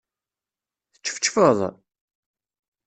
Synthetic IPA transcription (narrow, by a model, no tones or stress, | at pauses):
θə̥t͡ʃːə̥fə̥t͡ʃːfəðˤ